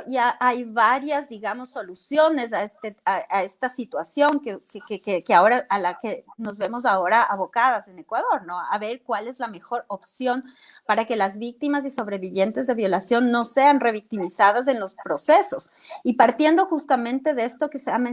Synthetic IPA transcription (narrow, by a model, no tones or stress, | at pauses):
iaʔajβaɾjazd̪iɣamo̞sːo̞lusjo̞ne̞s̬aest̪eaaest̪asit̪wasjo̞ŋkekekekekeao̞ɾaalake̞no̞zβe̞mo̞s̬ao̞ɾaaβo̞kaðase̞ne̞kwað̞o̞ɾno̞a̰βe̞ɾkwale̞zlame̞xo̞ɾo̞psjo̞n | paɾake̞lazβik̚t̪imas̬iso̞βɾe̞βiβje̞nt̪e̞zðe̞βjo̞lasjo̞nːo̞se̞anre̞β̞ik̚t̪imisaðas̬e̞nlo̞spɾo̞se̞so̞s | ipaɾt̪je̞nd̪o̞xust̪amẽnt̪e̞ðest̪o̞ke̞seame